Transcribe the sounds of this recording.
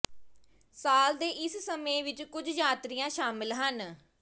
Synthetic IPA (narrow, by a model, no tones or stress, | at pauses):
saːld̪eːʔɪssəmẽːʋɪt͡ʃkʊd͡ʒd͡ʒaːt̪ɾijãːʃaːmɪlɦən